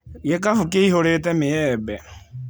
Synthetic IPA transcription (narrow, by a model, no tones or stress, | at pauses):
jɛkʼafʊkʼeiɦoɾet̪ɛmɪjɛːbɛ